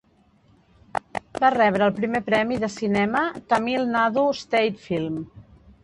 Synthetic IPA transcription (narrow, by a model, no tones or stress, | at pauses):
barɛβ̞ɾəːlˠpɾimepɾɛmiðəsinɛmət̪amilˠnaðust̪ejt̪filˠm